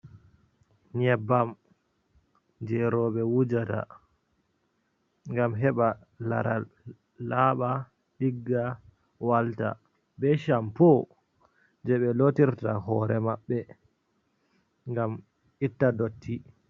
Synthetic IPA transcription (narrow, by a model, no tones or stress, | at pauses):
ɲɛbːam | d͡ʒɛɾɔɓɛwud͡ʒata̰ | ŋɡamɦɛɓa | la̰ɾa̰ | laːɓa | ɗiɡːa | walta̰ | bɛʃampɔ | d͡ʒɛɓɛlotiɾtahɔːɾɛmaɓːɛ | ŋɡam | ʔitːadotʰːi